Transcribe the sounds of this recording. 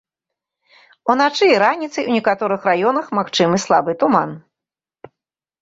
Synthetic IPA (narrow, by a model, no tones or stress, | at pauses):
unat͡ʂɨɾanʲit̪sɨjwnʲɛkat̪ɔɾɨxrajɔnɐxmaxt͡ʂɨmɨslˠabɨt̪uman